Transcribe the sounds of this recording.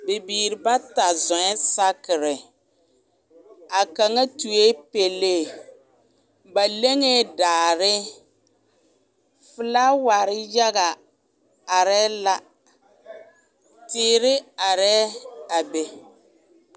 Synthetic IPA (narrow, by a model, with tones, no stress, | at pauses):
be˨biː˨ɾɪ˨ba˦ta˨zɔ˨ɛ˦sa˦kɪ˨ɾɪ˨ | a˨ka˨ŋa˦tu˨e˦pe˨leː˦˨ | ba˨le˦ŋe˦daː˨ɾɪ˦ | fɨ˦la˦wa˨ɾɪ˦ja˦ɣa˨ | a˨ɾɛː˦la˦ | tɪː˦ɾɪ˦a˨ɾɛː˦a˨be˨